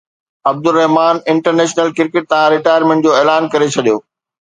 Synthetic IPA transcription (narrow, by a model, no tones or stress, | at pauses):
ɐb̚d̪ʊɾːɛɦmaːnɪ̃ɳʈəɾneːʃnəlkɪɾkɪʈ̚t̪ɐãɾɪʈaːjəɾmẽɳʈd͡ʑoːeːlaːnkɐɾet͡ɕʰɐɗijoː